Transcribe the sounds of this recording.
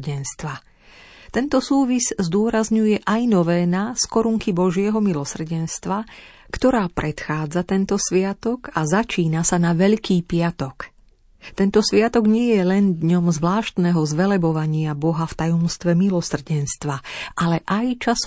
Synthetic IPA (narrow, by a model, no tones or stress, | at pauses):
ɟɛnst̪ʋa | t̪ɛnt̪ɔsuːʋizzd̪ʊɔɾazɲujɛʔajnɔʋɛːnaskɔɾuŋkibɔʒɪɛɦɔmilɔsr̩ɟɛnst̪ʋa | kt̪ɔɾaːpɾʔɛt̪xaːd͡zat̪ɛnt̪ɔsʋɪat̪ɔkazat͡ʃiːnasanaʋɛʎkiːpɪat̪ɔk | t̪ɛnt̪ɔsʋɪat̪ɔɡɲɪɛjɛlɛnd̪ɲɔmzʋlaːʃt̪nɛɦɔzʋɛlɛbɔʋaɲɪabɔɦaft̪ajɔmst̪ʋɛmilɔsr̩ɟɛnst̪ʋaʔalɛʔajt͡ʃas